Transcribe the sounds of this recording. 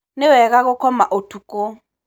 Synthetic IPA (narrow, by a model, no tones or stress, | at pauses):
nɪwɛk̬ak̬ʊkʰɔma̰ʔotʰukʼɔ